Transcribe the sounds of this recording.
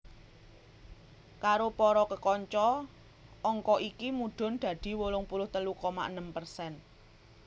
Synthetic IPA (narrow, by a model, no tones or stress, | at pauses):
kaɾopɔɾɔkəkɔɲt͡ʃɔ | ɔŋkɔʔikimuɖ̪̥ɔ̤nɖ̪̥ä̤d̪̥i̤wolʊŋpulʊht̪əlukɔma̰ʔənəmpərsɛn